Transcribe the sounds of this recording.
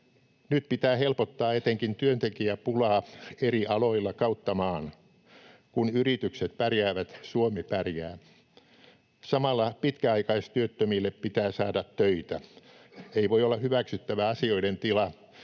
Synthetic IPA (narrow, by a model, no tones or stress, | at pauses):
nyt̪pit̪æːhelpot̪ːɑːet̪eŋkint̪yønt̪ekiæpulɑːeriʔɑloilːɑkɑut̪ːɑmɑːn | kunyrit̪ykset̪pærjæːʋæt̪suomepærjæ̰ː | sɑmɑlːɑpit̪kæɑikɑist̪yøt̪ːømilːeppit̪æːsɑːdɑt̪tøit̪æ | eiʋoiolːɑhyʋæksyt̪ːæʋæɑsioident̪ilɑ